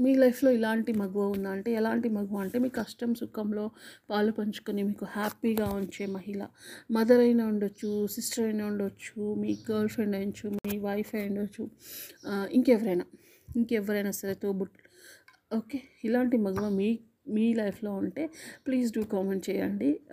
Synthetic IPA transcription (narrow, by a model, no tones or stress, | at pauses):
miːlɐjpʰlo̞ːilaːɳʈimɐɡuʋaund̪aːɐɳʈe̞ːɛlaːɳʈimɐɡuʋaːɐɳʈeːmiːkɐʂʈɐmsukɐmlo̞ːpaːlupɐɲt͡ʃu̥kunimiːkuhaːpːiɡaːuɲt͡ʃe̞ːmɐɦilɐ̰mɐd̪ɐɾɐjnaːuɳɖɐt͡ʃːusisʈɐɾɐjnaːuɳɖot͡ʃːumiːɡɐːlfɾeɳɖɐnt͡ʃumiːʋɐjfʰɐjuɳɖot͡ʃːu | iŋkɛʋɐɾɐjnaː | iŋkɛʋɐɾɐjnaːsɐɾet̪oːbuʈ | oːkeːilaːɳʈimɐɡuʋaːmiː | miːlɐjpʰlo̞ːuɳʈe̞ːpliːsɖuːkaːmenʈ̚t͡ʃɛːjɐɳɖi